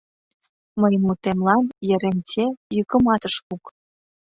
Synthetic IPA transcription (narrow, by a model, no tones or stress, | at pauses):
məjəmːut̪emlɑnjə̆ɾentʲejykə̆mɑt̪əʃkuk